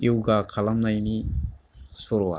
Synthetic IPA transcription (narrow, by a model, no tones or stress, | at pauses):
iwɡakʰalamnajni | sɔɾɔa̰